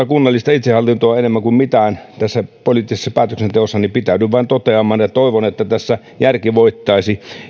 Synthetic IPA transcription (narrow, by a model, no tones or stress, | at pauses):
ɑkunːɑlːist̪ɑit̪sehɑlːint̪oɑenemːæŋkummit̪æːnt̪æsːæpoliːt̪ːisesːɑpæːt̪øksent̪eosːɑnipit̪æˑydyʋʋɑˑent̪ot̪eɑmˑɑːnjɑt̪oˑiʋonet̪ːæt̪æsːæ | jærkiʋoit̪ːɑisi